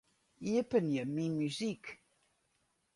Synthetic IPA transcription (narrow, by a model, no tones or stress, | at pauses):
iəpəniəmimyzik